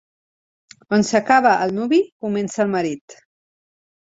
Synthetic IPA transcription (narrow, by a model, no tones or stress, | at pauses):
onsəkaβəʔːlˠnuβikumɛnsəːlˠməɾit̪